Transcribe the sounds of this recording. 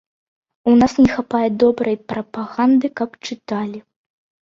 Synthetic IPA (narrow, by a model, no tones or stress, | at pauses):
unasnʲɛxapajɛd̪ɔbɾɐjpɾɐpaɣand̪ɨkɐpt͡ʂɨt̪alʲi